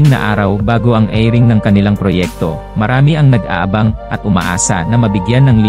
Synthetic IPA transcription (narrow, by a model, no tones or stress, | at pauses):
ɪŋnɐ̰ʔaːɾɐwbaːɡo̞ʔɐŋʔɛjɾɪŋnɐŋkɐnɪlaŋpɾojɛk̚t̪o̞̰ | mɐɾaːmɪʔɐŋnɐɡ̚ʔa̰ːʔɐbaŋʔɐt̪̚ʔʊma̰ʔa̰ːsɐ̰nɐmɐbɪɡjanːɐŋli